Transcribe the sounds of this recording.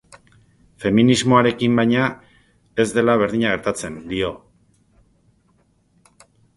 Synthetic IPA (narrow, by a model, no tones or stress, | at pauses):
fe̞minizmo̞aɾe̞kimbajɲa | e̞zd̪e̞laβ̞e̞ɾðiɲaɣe̞ɾt̪at͡se̞nd̪io̞